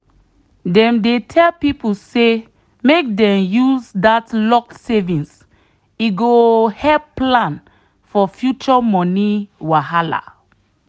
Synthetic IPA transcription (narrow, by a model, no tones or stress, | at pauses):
dɛ̃mdetʰɛlpipuse | mek̚dɛ̃mjuzdatlɔksɛvĩns | iɡohɛlpplãn | fɔfjut͡ʃɔmɔ̃niwaɦala̰